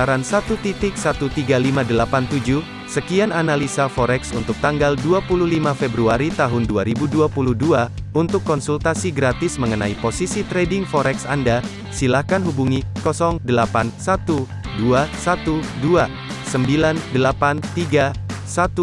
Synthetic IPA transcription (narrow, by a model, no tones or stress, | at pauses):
aɾansat̪ut̪it̪ɪk̚sat̪ut̪iɡalimadəlapant̪ud͡ʒu | səkiananalisafɔɾɛksunt̪ʊk̚t̪aŋɡalduapuluhlimafebɾuaɾit̪aɦʊnduaɾibuduapuluhduaunt̪ʊkːɔnsult̪asiɡɾat̪ɪsməŋənaiposisit̪ɾɛdɪŋfɔɾɛksanda | silahkanɦubuŋikɔsɔŋdəlapansat̪u | duasat̪udua | səmbilandəlapant̪iɡasat̪u